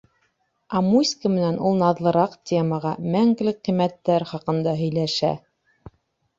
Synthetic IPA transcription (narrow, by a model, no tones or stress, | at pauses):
ɑmusʲkəmɘ̆nænʔulˠnɑðlˠɤ̆ɾɑqtʲeməʁɑmæŋɡ̆lɘqimːæt̪ːæɾχɑqɤ̆nd̪ɑɦɵ̆jlæʃæ̰